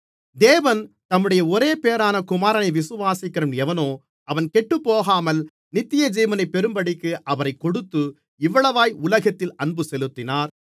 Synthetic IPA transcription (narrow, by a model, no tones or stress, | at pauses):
d̪eːʋɐn | t̪ɐmːɯɽɐjɐɔɾeːpeːɐɾaːnɐkʊmaːɾɐnɐɪʋɪsɯʋaːsɪkːɐɾɐmɛʋɐnoː | ɐʋɐnkɛʈːɯpːoːɣaːmɐl | nɪt̪ːɪjɐd͡ʒiːmɐnɐɪpːɛɾɯmbɐɽɪkːɯʔɐʋɐɾɐɪkːɔɽɯt̪ːɯ | ɪʋːɐɭɐʋaːjʊlɐɣɐt̪ːɪlɐɳbɯsɛlɯt̪ːɪnaːɾ